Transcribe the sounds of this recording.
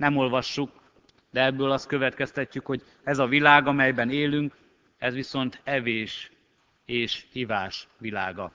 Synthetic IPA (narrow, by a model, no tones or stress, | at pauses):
nɛmo̞lvɒʃːuk̚ | d̪ɛɛbːøːlɒst̪kø̞vɛt̪kɛst̪ɛcːykho̞ɟ | ɛzɒvilaːɡɒmɛjbɛneːlyŋk | ɛzʋiso̞nt̪ɛveːʃ | eːʃhivaːʃʋila̰ːɡɒ